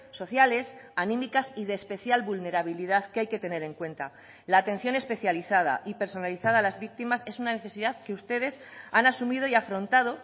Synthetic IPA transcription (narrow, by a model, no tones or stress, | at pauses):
so̞θjale̞sanĩmikasiðe̞ːspe̞θjalβulne̞ɾaβ̞iliðaðkeajke̞t̪e̞ne̞ɾe̞ŋkwe̞nt̪a̰ | laːt̪e̞n̟θjo̞ne̞spe̞θjaliθað̞a̰ʔipe̞ɾso̞naliθaðaːlazβik̚t̪imase̞sunane̞θe̞siðaðke̞ust̪e̞ðe̞sanasumiðo̞iafɾo̞nt̪að̞o̞